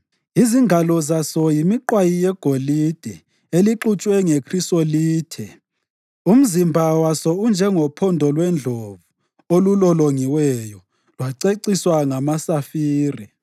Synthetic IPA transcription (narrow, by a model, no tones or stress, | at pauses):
iziŋɡʱalɔzasɔjimiǃwajijɛɡ̥ʱolid̥ʱɛ | eliǁut͡ʃʼwɛŋekʰristoliːtʰɛ | um̩zimbʱawasɔund͡ʒʱɛŋɔpʰɔndʱɔlwɛnd͡ɮʱovu | olulɔloŋiwɛjɔ | lwaǀeǀiswaŋamasafiːrɛ